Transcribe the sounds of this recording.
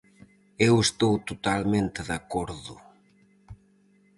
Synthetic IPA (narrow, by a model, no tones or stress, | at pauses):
ewest̪owt̪ot̪almẽnt̪ɪðakoɾðʊ